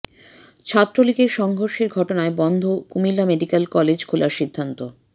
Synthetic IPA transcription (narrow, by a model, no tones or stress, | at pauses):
t͡ɕʰat̪ːɾolikeɾʃɔŋɡʱoɾʃeɾɡʱɔʈonaebɔnd̪ʱokumilːameɖikelkɔled͡ʑkʰulaɾʃid̪ʱːant̪o